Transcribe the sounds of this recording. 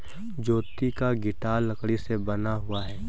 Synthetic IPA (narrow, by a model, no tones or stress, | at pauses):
d͡ʒoːt̪ikaɡɪʈaːlɐkɽisebɐnaɦʊaɦɛː